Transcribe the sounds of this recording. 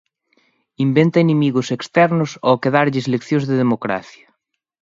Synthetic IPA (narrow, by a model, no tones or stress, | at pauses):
imbent̪ɐenemiɣʊsekst̪ɛɾnʊsokeðaɾʎɪeslekθjõzðeðemokɾa̰θjɐ